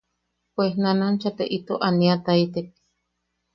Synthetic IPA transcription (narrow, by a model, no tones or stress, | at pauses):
pwehnanant͡ʃat̪eʔit̪oʔaniat̪ait̪ek̚